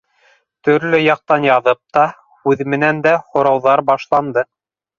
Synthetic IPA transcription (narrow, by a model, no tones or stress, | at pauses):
t̪ɵ̆ɾlɵjɑq̚t̪ɑnjɑðɤp̚t̪ɑ | hʉðmɘ̆nænd̪æhŏɾɑwðɑɾbɑʃlˠɑnd̪ɤ